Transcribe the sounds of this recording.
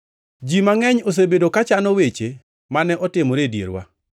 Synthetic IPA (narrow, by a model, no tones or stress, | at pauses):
d͡ʒimaŋɛɲos̬ebedokat͡ʃanɔwet͡ʃe | manɛʔɔtɪmoɾedjḛɾwa̰